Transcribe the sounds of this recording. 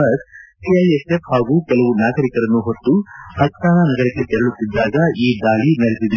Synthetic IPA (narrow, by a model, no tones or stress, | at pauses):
ɐɾsiɐjesefhaːɡuːkɛlɐʋunaːɡɐɾikɐɾɐnːuɦot̪ːuhɐk̚saːnanɐɡɐɾɐkːet̪ɛɾɐɭut̪ːid̪ːaːɡɐiːd̪aːɭinɐɭisid̪